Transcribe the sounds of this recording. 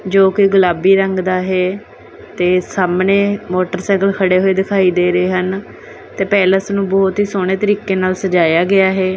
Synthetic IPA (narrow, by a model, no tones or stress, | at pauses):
d͡ʒoːkɪɡʊlaːbiːɾəŋɡd̪aːɦɛː | t̪eːsaːmneːmoːʈəɾsɛ̃ːɡəlkʰəɽeːɦoːeːd̪ɪkʰaːiːd̪eːɾəeːɦən | t̪eːpɛːləsnũːbɔːt̪ɦiːsoːɽ̃eːt̪əɾiːkeːnaːlsəd͡ʒaːjaːɡɪaːɦeː